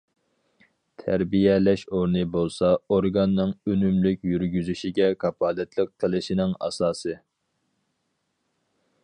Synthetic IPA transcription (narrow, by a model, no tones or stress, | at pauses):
t̪ʰæɾbijɛlɛʃoɾnɨbolˠsɑoɾɡɑnːɨŋønymlykʲjyɾɡʲyzyʃiɡʲɛkʰɑpɑːlɛt̪ʰlɪq̚t̪ʰɪlˠɪʃinɪŋɑ̰sɑːsɨ